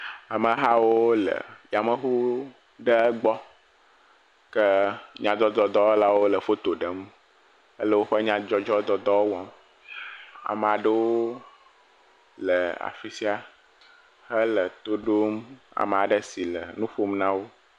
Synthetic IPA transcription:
a˨mə̃˨ɦa˦wo˦lə̰˨ja˨mə˦ɦu˦ | ɖə˦ə˦ɡ͡bɔ˦ | kə˦ɲã˨d̪ɔ˦d̪ɔ˨d̪ɔ˦la˦wo˦lə˨fo˦t̪o˨ɖə˨m | ə˦lə˦wo˦ɸə˦ɲã˦d͡ʒɔ˦d͡ʒɔ˦d̪ɔ˦d̪ɔ˦wo˦wɔ̃˦m | a̰˨m˨a˨ɖə˦wo˦ | lə˨a̰˨fi˨si˦a˦ | hə˦lə˨t̪o˦ɖo˦ma̰˨m˨a˨ɖə˦si˨lə̰˨nũ˦ɸo˦mnã˦wo˦

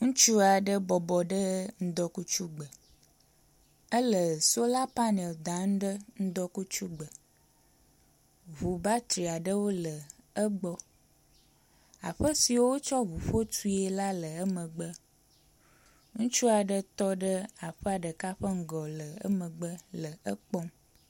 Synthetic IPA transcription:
ŋũ˦t͡ʃu˦a˨ɖə˦bɔ˨bɔ˨ɖə˦ŋ̩˦d̪ɔ˦ku˦t͡ʃu˦ɡ͡bə˨ | ə˦lə˨so˦la˦pa˦ne˨ld̪a˨˦ŋ˦ɖə˦ŋ̩˦d̪ɔ˦ku˦t͡ʃu˦ɡ͡bə˨ | βu˨ba˦t̪ɾi˨a˨ɖə˦wo˦lə˨ə˦ɡ͡bɔ˦ | a̰˨ɸə˦si˨wo˦wo˦t͡ʃɔ˦βu˨ɸo˦t̪u˦e˨la˦lə˨ə˦mə̃˨ɡ͡bə˦ | ŋũ˦t͡ʃu˦a˨ɖə˦t̪ɔ˦ɖə˦a˨ɸə˦a˨ɖə˨ka˦ɸə˦ŋ̩˦ɡɔ˨lə˨ə̰˦mə̃˨ɡ͡bə˦lə˨ə˦k͡pɔ˦m

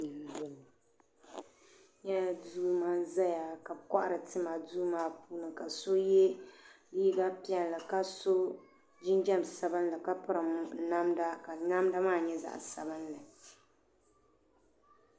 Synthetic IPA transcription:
ɲɛ˦˨˦duː˦maː˦za˦ja˨ka˨ka˦ʔa˦˨ɾɨ˨tɨ˦ma˨duː˦maː˦puː˦nɨ˨ka˨so˦jɛ˦liː˦ɡa˦pi˦ɛ˨n˨la˨ka˦so˦ | d͡ʒɪ˦nd͡ʒɛ˦˨m˨sa˨ba˦n˦la˨ka˦pʊ˦ɾa˨m˨˦na˦mda˦ka˨na˦mda˦maː˦˨ɲɛ˦za̰˨ʔsa̰˨ba˦n˦lɨ˨

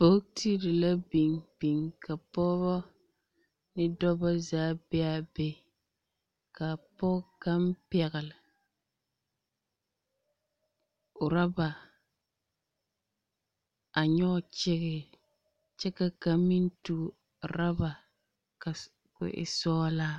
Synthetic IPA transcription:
bo˦ti˦ɾɪ˨la˦bi˨ŋb̥i˨ŋka˨pɔː˦bɔ˦ | nɪ˦dɔ˦ba˦zaː˦bɛ˦a˦be˦ | ka˨pɔː˦ka˦m˦pɛ˨ɣɪ˨lɪ˨ | ʊ˨ɾa˦ba˨ | a˨ɲɔ˦˨t͡ʃɪ˦ɣɪ˦ | t͡ʃɛ˦ka˨ka˨mi˦n˦tu˨ | ɾa˦ba˨ | ka˨ | kʊ̰˨ʔɪ̰˨sɔː˦la˦

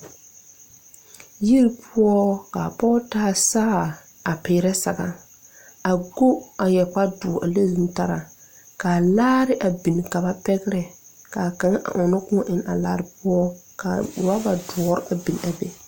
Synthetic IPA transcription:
ji˦ɾpʰu˦ɔ˦ka˨pɔː˦taː˦saː˦˨ | a˨pɪ˨˦ɾɛ˦sa˨ɡa˨ | a˨ɡo˦a˨jɛ˨k͡pa˦dʊ˨ʔa̰˨le˦zu˦ta˦ɾa˨ | ka˨laː˦ɾɪ˦ʔa˨bi˨n˨ka˨ba˦pɛ˦ɡɪ˦ɾɛ˨ | ka˨ka˨ŋa˦ʔa̰˨ʔʊ˨nɔ˦kʊ̃˦ɔ˦ʔɪ˨n˨a̰˨la̰ː˦ɾɪ˨pʊ˦ɔ˦ka̰˨ba˦ba˨dʊ˨ɔ˨˦ɾa˨bi˨n˨a˨be˨

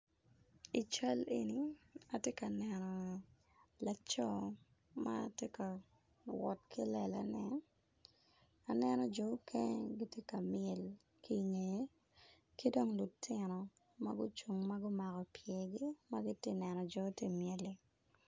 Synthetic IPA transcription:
i˨t͡ʃa˦lḛ˨ni˨a˨tje˦ka˨nɛnɔ˨ | la˨t͡ʃɔ˦ | ma˦tje˦ka˨ | wɔ˨tkʰi˦lɛ˨la̰˨nɛ˨ | a˨nɛ˦nɔ˦d͡ʒɔ˨˦kʰɛ˦ɡɪ˦tje˦ka˨mɪɛ˨l | ki˦ŋe˨je˦ | ki˦dɔ˦ŋlu˨tʰɪ˦nɔ˨ | ma˦ɡʊ˦t͡ʃu˨ŋma˦ɡʊ˦ma˨ɣɔ˨pjɛ˨ɡi˦ma˦ɡɪ˦te˦nɛ˨nɔ˨d͡ʒɔ˨˦tje˦mje˨li˦

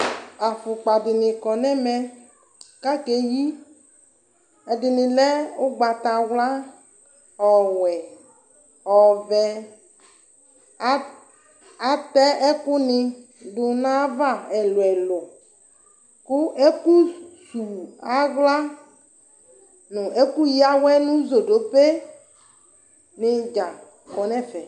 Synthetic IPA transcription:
a˨fʊ˨k͡pa˨dɪ˨nɪ̃˨kɔ˨nɛ̃˦mɛ̃˦ | ka˦ke˦ji˦ | ɛ˨dɪ˨nɪ̃˨lɛ˦o˦ɡ͡ba˨t̪a˨wla˦ | ɔ˨wɛ˨ | ɔ˨vɛ˨˦ | a˦tɛ˦ʔɛ˦ku˦nĩ˦ | dʊ˨nã˦va˦˨ɛ˨lo˨ɛ˨lo˨ | kʊ˦e˦ku˦su˨a˨ɣla˦ | nʊ̃˨ʔe˦ku˦ji˦a˦wɛ˦nũ˦zo˨ɖo˨pe˦ | nɪ̃˨d͡ʒa˨ | kɔ˨nɛ̃˦˨fɛ˨

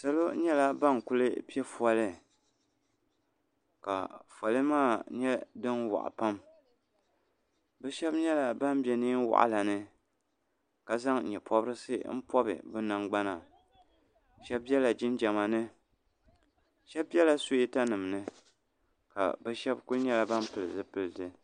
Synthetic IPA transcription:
sa˦lo˦ɲɛ˦la˦ba˦ŋku˦lɨ˦pi˦ɛ˦fwa˨lɨ˦ | ka̰˨fa˨lɨ˦maː˦˨ɲɛ˦dɨ˦nwa̰˨ʔa̰˨pa˦m | bɛ˦ʃɛ˦bɲɛ˦la˨ba˦m˦bɛ˨nɨː˦n˦wa̰˨ʔa̰˦la˨nɨ˦ | ka˨za˦ŋ˨ɲɛ˨pʰɔ˦bɾɨ˦sɨ̰˦m̩˦pɔ˦bɨ̰˨bɨ˦na˨ŋɡ͡ba˦na˨ | ʃɛ˦b̚bjɛ˦la˨d͡ʒɪ˦nd͡ʒɛ˨ma˨nɨ˦ | ʃɛ˦b̚ɛ˦la˨so˦i˦ta˦nɨ˨m˨nɨ˦ | ka̰˨bɛ˦ʃɛ˦bkʊ˦lɲɛ˦la˨ba˦m˦pɨ˨lɨ˨zɨ˦pɨ˦lɨ˨dɨ˨

